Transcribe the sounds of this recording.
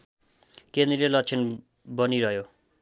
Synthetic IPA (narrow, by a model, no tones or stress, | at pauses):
kend̪ɾelʌt͡sʰen | bʌniɾʌɦjo